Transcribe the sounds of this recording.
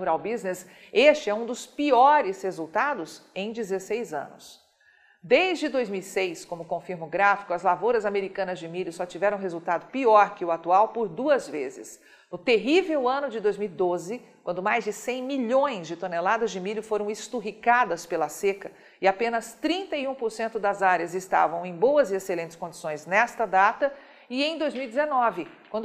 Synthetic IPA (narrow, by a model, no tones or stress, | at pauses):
uɾawbiznɪs | est͡ʃɪɛũd̪ʊspiɔɾɪshezuwt̪ad̪ʊsẽj̃d͡ʒɪzesejzɐ̰̃nʊ̰s | d̪ejzd͡ʒɪd̪ojzmiwisejskõmʊkõfiɾmʊɡɾafi̥kʊɐzlavoɾɐzameɾikɐ̃nɐzd͡ʒɪmiʎʊsɔt͡ʃivɛɾɐ̃w̃ɦezuwt̪ad̪ʊpiɔɾkɪʊat̪uawpoɾd̪uɐzvezɪ̰s | nʊt̪eɦivewɐ̃nʊd͡ʒɪd̪ojzmiwid̪ozɪkwɐ̃nd̪ʊmajzd͡ʒɪsẽj̃miʎõj̃zd͡ʒɪt̪onelad̪ɐzd͡ʒɪmiʎʊfoɾɐ̃w̃ɪst̪uɦikad̪ɐspelɐsekɐ | ɪapẽnɐst̪ɾĩnt̪ɐiũpoɾsẽnt̪ʊd̪ɐzaɾjɐzɪst̪a̰vɐ̃w̃ẽj̃bowɐzɪeselẽnt͡ʃɪ̥skõd͡ʒi̥sõj̃znɛst̪ɐd̪at̪ɐ | ɪẽj̃d̪ojzmiwid͡ʒ̪ɪzenɔvɪkwɐ̃nd̪